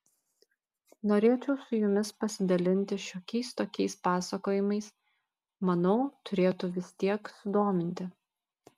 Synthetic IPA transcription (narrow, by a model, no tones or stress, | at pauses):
noːɾʲeːt͡ʃʲɛʊsʊjʊmʲɪspɐsʲɪd̪ɐlʲɪnʲt̪ʲɪʃʲoːkʲɛɪst̪oːkʲɛɪspɑːsɐkoːjɪmɐɪs | mɐnɐʊt̪ʊɾʲeːt̪ʊʋʲɪst̪ʲiɛksʊd̪oːmʲɪnʲt̪ʲɪ